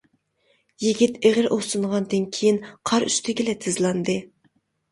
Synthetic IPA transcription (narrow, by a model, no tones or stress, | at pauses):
jiɡʲit̪eʁɨɾʔosɨɴʁɑnd̪ɨnkʲʰejinqʰɑɾy̰st̪ʰɪɡʲɪlɛt̪ʰɨzlˠɑnd̪ɨ